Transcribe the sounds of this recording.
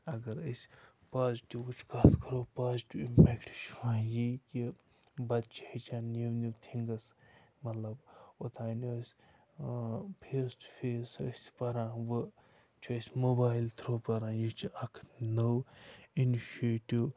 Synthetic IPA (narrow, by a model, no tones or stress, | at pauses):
ɐɡɐɾəsʲ | paːzʈiʋkut͡ʃʰkaːskʰɐɾoːpaːzʈiimpɛːkʈʃʰʋãːjiki | bɐd̪̚t͡ʃʰihit͡ʃãːniwniwt̪ʰiŋɡɐsmɐt̪lɐbot̪ʰaːnosʲ | pʰeːsʈpʰeːsə̰sʲpɐɾãːʋɨ | t͡ʃʰuɐsʲmobaːilt̪ʰɾoːpɐɾãːjit͡ʃʰiɐkʰnowiniʃeʈiʋ